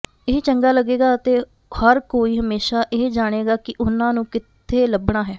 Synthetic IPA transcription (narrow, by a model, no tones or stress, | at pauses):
ɪɦt͡ʃəŋɡaːləɡeːɡaːt̪eː | həɾkoːiːɦəmeːʃaːʔeːd͡ʒaːɽ̃eːɡaːkɪʔʊnãːnũːkɪt̪ʰːeːləbɽaːɦɛː